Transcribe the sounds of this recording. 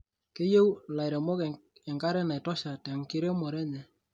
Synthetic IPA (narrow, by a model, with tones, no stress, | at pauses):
ke˦je˦wla˨jɾɛ˨mɔ˦kɛ˨ŋɡa˦ɾɛ˦na˨jtɔ˦ʃa˨tɛ˨ŋki˦ɾe˦mɔ˨ɾɛ˦ɲɛ˨